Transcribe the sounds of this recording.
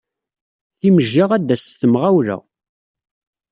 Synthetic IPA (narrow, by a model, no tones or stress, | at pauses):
θiməʒːaʁæd̪ːæst̪əmʁæwɾæ̰